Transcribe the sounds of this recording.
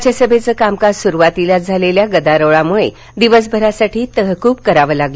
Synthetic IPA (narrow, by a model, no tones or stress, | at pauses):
t͡ɕasəbʱet͡səkamkaɾsuɾuʋat̪ilad͡zʱaleljaɡəd̪aɾəʋɭamuɭḛ | d̪iʋəs̬bʱəɾasaʈiːt̪əɦəkuːpkəɾaʋəːlaɡlə